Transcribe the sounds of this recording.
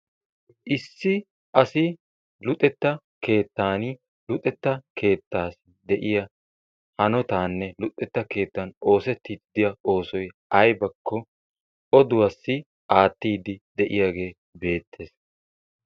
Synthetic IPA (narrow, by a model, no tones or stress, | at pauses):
ʔɪsːɪ | ʔɐsɪ | lʊt̪ʼːɛt̪ːɐ | ke̞ːt̪ːaːn | lʊt̪ʼːɛt̪ːɐkʰe̞ːt̪ːaːs | d̪ɛʔɪjɐ | hɐnɔt̪aːnːɛlʊt̪ʼːɛt̪ːɐke̞ːt̪ːɐno̞ːsɛt̪ːiːt̪d̪ɪjɐʔo̞ːsɔj | ɐjbɐkʰːɔ | ʔɔd̪ʊwɐsːɪ | ʔaːt̪ːiːd̪ɪd̪ɛʔɪjaːɡe̞ː | be̞ːt̪ʰːe̞ːs